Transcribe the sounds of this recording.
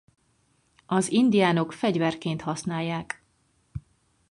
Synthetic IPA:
ɒzind̪ijaːno̞kfɛɟvɛrkeːnt̪hɒsnaːjːaːk

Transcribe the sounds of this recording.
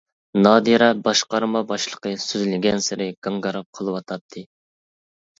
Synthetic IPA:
nɑːd̪iɾɛbɑʃqɑɾmɑbɑʃlˠəqəsyzlɪɡʲɛnsɪɾɪɡ̥ɑŋɡɑɾɑp̚qʰəlˠɨwɑt̪ʰɑt̚t̪ʰːɨ

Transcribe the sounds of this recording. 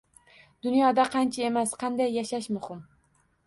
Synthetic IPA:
d̪̥ʊnjɒd̪aqʰɑnt͡ʃʰae̞masqʰɑnd̪ajːaʃaʃmʊhɪm

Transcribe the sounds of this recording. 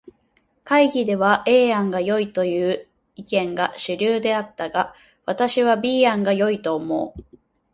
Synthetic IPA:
kaiɡʲid̪e̞βaʔe̞ːãŋɡajo̞it̪o̞jɯ̟ː | ikẽ̞ŋɡaɕɨɾʲɨːd̪e̞at̪ːaɡa | βat̪aɕiβ̞abʲiːãŋɡajo̞it̪o̞ːmo̞ː

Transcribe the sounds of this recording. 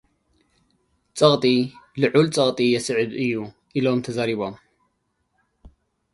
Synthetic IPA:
t͡sʼɐɣt̪ʼilɨʕult͡sʼɐɣt̪ʼijɛsʕɨd̪ʔɨjːu | ʔilomt̪ʰɐzaɾiβom

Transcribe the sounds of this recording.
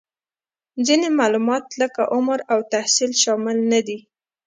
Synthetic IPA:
d͡zinemɑlumɑt̪ləkaʔʊmɾawt̪ahsilʃɑmɪlnad̪i

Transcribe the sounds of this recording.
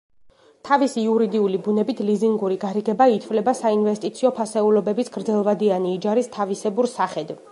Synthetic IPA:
t̪ʰavisiuɾid̪iulibunɛbit̪ʰliziŋɡuɾiɡaɾiɡɛbait̪ʰvlɛbasainvɛst̪ʼit̪sʰiɔpʰasɛulɔbɛbisɡɾd̪zɛlˠvad̪ianiːd͡ʒaɾist̪ʰavisɛbuɾsaχɛd̪v

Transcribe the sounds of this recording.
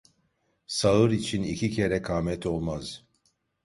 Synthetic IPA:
saɯɾit͡ʃʰinicʰicʰe̞ɾɛkʰaːmɛt̪ʰo̞lˠmaz̥

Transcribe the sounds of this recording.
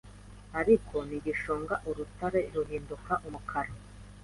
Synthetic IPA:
aɾikʰo̞niɡiʃoːŋɡaʔuɾutaɾe̞ɾuɦiːndukaʔumukʰaɾo

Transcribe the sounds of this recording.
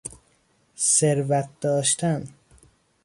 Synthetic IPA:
seɾvæt̪̚d̪̥ɒːʃt̪ʰæn

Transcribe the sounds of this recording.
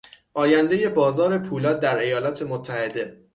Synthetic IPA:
ʔɒːjænd̪eje̞bɒːzɒːɾe̞pʰuːlɒːd̪̚d̪ːæɾe̞jɒːlɒːt̪ʰe̞mot̪ʰːæhe̞d̪e̞

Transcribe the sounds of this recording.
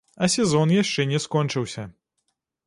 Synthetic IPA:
ɐsʲɛzɔnjaʂt͡ʂɛnʲɛskɔnʲt͡ʂɨwsʲɐ

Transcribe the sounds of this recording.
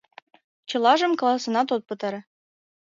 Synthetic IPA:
t͡ɕɤ̆lˠɑʒə̆mk̆lˠɑsɤ̆nɑt̪̬ot̪̚pɤ̆t̪ɤ̆ɾɤ̆

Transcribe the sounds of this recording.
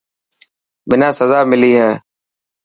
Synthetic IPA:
bɪnãːsəzaːmɪliːɦɛː

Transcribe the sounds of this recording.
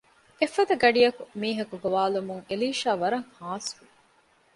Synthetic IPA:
efːɐd̪ɐɡɐɖijɐkumiːɦɐkuɡoʋaːlumuŋeliːʃaːʋɐɾɐŋhaːsu

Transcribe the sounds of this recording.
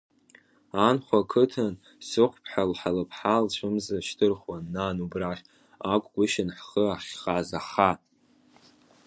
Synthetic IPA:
anχʷakʰɨtʰan | sɨqʷpʰħalħalapʰħalt͡ʃʷʰɨmzaʃtʰɨrχwanːanubraχʲ | akʷʼɡʷʊʃɪnħχəaχʲχazaχa

